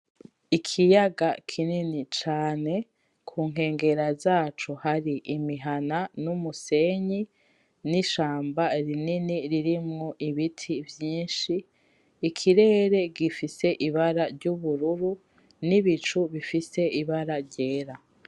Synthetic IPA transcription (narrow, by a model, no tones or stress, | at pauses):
ikʰijaɡakʰininit͡ʃaːne̞ | kʰuːŋ̥ɦe̞ːŋɡe̞ɾazaːt͡ʃuhaɾiʔimiɦananumuse̞ɲi | niʃaːmbaɾininiɾiɾimŋoʔiβitʰivjiːnʃiː | kʰiɾe̞ːɾe̞ɡifise̞ʔiβaɾaɾɟuβuɾuɾu | niβit͡ʃuβifise̞iβaɾaɾɟeːɾa